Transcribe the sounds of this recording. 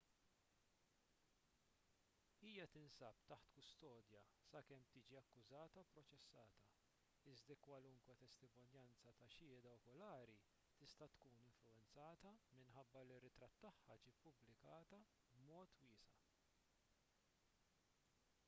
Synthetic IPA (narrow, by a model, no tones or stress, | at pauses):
iːjɐt̪ɪnsɐpt̪ɐħt̪kʊst̪ɔːd̪jɐsɐkɛmt̪iːd͡ʒiɐkːʊzɐːt̪ɐpɾɔt͡ʃɛsːɐːt̪ɐ | ɪzd̪ɐkwɐlʊŋkwɛt̪ɛst̪ɪmɔnjɐnt͡sɐt̪ɐʃɪːd̪ɐɔkɔlɐːɾi | t̪ɪst̪ɐt̪kuːnɪɱflʊɛnt͡sɐːt̪ɐmɪnħɐbːɐlɪrːɪt̪ɾɐt̪ːɐħːɐd͡ʒiːpːʊblɪkɐːt̪ɐ | bmɔːt̪wɪːsɐ